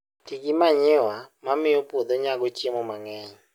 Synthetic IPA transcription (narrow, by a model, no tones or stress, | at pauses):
tʰikimaɲewamamɪopʼud̪ɔɲaɡ̬ɔt͡ʃʼemɔmaŋɛːɲɛ